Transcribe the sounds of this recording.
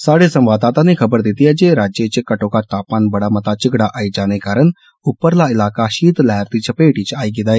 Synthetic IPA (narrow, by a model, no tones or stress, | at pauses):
saːɽesə̃mʋaːd̪aːt̪ãːnekʰɐbəɾd̪ɪt̪iɛd͡ʒeːɾaːd͡ʒjet͡ʃkəʈõːkat̪aːpaːnbəɽaːmɐt̪at͡ʃɪɡɽaʔaːid͡ʒaːnekaːɾən | ʊpːəɾlaːɪlaːkaʃiːt̪lɛɦɾd̪it͡ʃəpeːʈit͡ʃaːiɡɪd̪aːeː